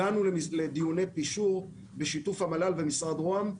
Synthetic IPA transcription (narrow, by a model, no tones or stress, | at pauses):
anulled̪ijune̞jpiʃuʁ | beʃitufhamalalvemisʁad̪ʁoam